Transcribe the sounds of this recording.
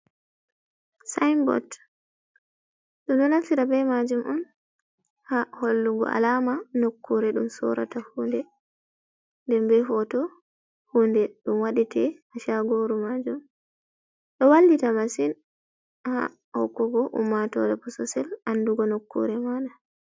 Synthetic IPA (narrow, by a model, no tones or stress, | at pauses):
sajmbɔ̰t | ɗɔɗɔnalsiɾabɛmad͡ʒumʔɔn | haholːuɡɔ̰ʔa̰lamanokːuɾɛɗumsɔ̰ɾa̰tahuːndɛ | ndɛmbɛɦɔtɔ | hundɛɗumwaɗitɛhaʃaɡoɾumad͡ʒum | ɗɔwalːditamasin | ha̰ | hɔ̰kːɔɡɔʔṵmːatɔɾɛbɔsɔsɛlanduɡɔnokːṵɾɛmaɗa